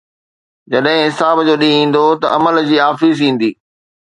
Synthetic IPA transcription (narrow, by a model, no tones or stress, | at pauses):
d͡ʑɐɗɦɪ̃ɦɪsaːbd͡ʑoːɗĩĩːn̆d̪ot̪ɐ̰ʔɐməld͡ʑiːaːfiːzĩːn̆d̪iː